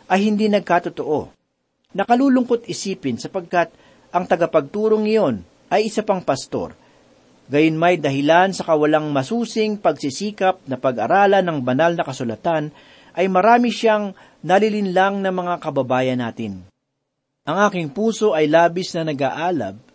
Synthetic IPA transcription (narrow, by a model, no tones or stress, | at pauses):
ʔɐjhɪnd̪inɐɡ̚kat̪ot̪oʔo̞̰ | nɐkɐluːlʊŋko̞t̪̚ʔɪsiːpɪnsɐpɐɡ̚kat̪̚ | ʔɐŋt̪ɐɡɐpɐɡ̚t̪uːɾoŋːɐjo̞n | ʔɐjʔɪsapaŋpɐst̪o̞̰ɾ | ɡɐjonmɐjd̪ɐɦɪlansɐkɐwɐlaŋmɐsuːsɪŋpɐɡsisiːkɐp̚nɐpɐɡʔɐɾaːlɐnɐŋbɐnalnɐkɐsʊlɐt̪an | ʔɐjmɐɾaːmɪʃaŋ | nɐlɪlɪnlaŋnɐmɐŋakɐbɐbaːjɐnːaːt̪ɪn | ʔɐŋʔaːkɪŋpuːso̞ʔɐjlaːbɪsnɐnɐɡa̰ʔaːlɐ̰b̚